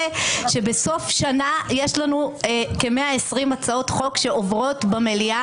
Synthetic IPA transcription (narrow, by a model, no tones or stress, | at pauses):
ʃe̞beso̞fʃanajeʃlanuekemeaesʁimat͡sao̞tχo̞kʃe̞ovʁo̞tbamelia